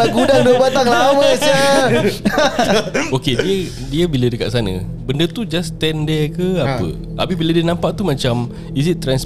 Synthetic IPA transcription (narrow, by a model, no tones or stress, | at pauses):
aɡudaŋduəbat̪aŋlaməsə | okediə | diəbilədəka̰ʔ̪̚sanə̰̃ | bəndət̪ud͡ʒast̪ɛndɛkəapə̰ | a̰pibilədiənãmpaʔ̚t̪umat͡ʃam | izit̪ːɾɛns